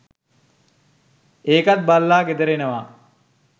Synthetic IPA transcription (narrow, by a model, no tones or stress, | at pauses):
eːkat̪̚balːaːɡed̪əɾenəʋaː